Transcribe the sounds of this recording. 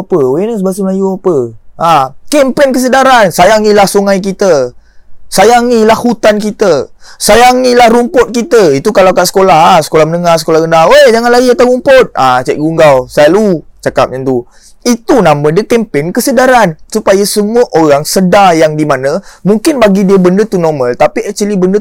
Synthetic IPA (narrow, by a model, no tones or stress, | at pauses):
apəoenəs̬bas̬əməlajuapəʔakɛmpɛnkəs̬ədaɾansajaŋilahsuŋajk̬it̪ə | sajaŋilahhut̪ankit̪əsajaŋilahɾumpʊt̪̚kit̪əit̪ukalawkaʔsə̥kolaɦasə̥kolahmənəŋasə̥kolahɡəndawed͡ʒaŋanlaɡiat̪awɾumpʊt̪̚a̰t͡ʃɛ̰ʔ̚ɡuŋɡawsalut͡ʃakap̚ɲant̪u | it̪unãmə̃dəkɛmpɛnkəsədaɾansupajasəmuəʔoɾaŋsədajaŋdimanə̃muŋkɪnbaɡidiəbəndət̪unɔmə̃lt̪apiɛt͡ʃəlibəndə